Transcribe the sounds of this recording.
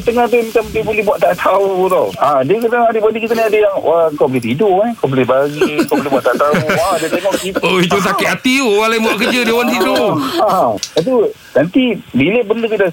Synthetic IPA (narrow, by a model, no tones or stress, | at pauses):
t̪əŋaht̪imat͡ʃamdiəbolɛɦbuaʔt̪aʔt̪ʰaut̪o̰adiəkadaŋadəbandikit̪aniadajaŋʔaəŋkawbolɪht̪idʊʔkawbolɪɦbaɡiəŋkawbolɪɦbuaʔt̪at̪auadiət̪eŋɔkt̪ioit̪us̬aɪʔ̪at̪iuwalaibuaʔkəd͡ʒədewant̪idoaaat̪u | nant̪ibiləbəndəkida